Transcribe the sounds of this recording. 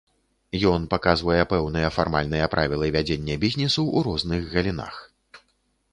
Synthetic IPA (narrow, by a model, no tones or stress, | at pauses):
jɔnpakazvɐjɛpɛwnɨjɐfarmalʲn̪ɨjɐpɾʔavʲilˠɐvʲad͡zʲenʲːɛbʲizʲnʲisuʔuɾɔznɨɣɣɐlʲina̰x